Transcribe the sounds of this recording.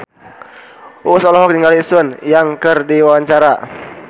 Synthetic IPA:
ʔusɔlɔɦɔk̚niŋɡalisʊnjaŋkərdiwawaɲt͡ʃaɾa

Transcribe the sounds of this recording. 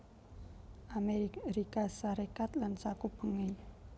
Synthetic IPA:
ʔameɾikasaɾekat̪lansakub̥əŋe

